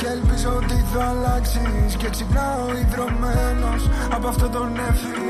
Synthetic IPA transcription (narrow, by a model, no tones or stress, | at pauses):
ceelpizot̪iθoɐlɐksisceksikɐoiðɾo̞melo̞sɐpoɐft̪o̞t̪o̞ne̞fi